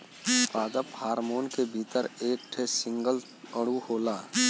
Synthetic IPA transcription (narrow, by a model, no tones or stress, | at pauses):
paːd̪əphaːɾmoːnkebʱiːt̪əɾeːk̚ʈʰesɪ̃ŋɡəl | əɽ̤uhoːlaː